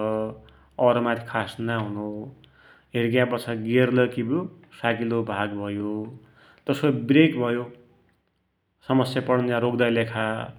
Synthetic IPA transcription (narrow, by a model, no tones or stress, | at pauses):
ʌɾʌmat̪ʰikʰasnaɦuno | ɦeɾɡjãbʌt͡sʰaɡerlʌkibu | saɡilobʱaɡbʱʌjo | t̪ʌsobrekbʱʌjo | sʌmʌsjapʌɽnaɾokd̪ajlekʰa